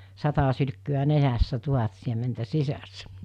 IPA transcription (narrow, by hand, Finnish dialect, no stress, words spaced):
sɑtɑ sylkːyæ nenæsːæ tuhɑt siementæ sisæsːæ